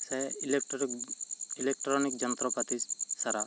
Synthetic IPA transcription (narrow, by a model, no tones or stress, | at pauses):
sɛl | ilɛk̚ʈɾɔnik̚d͡ʒɔnt̪ɾɔpat̪id͡ʒsaɾa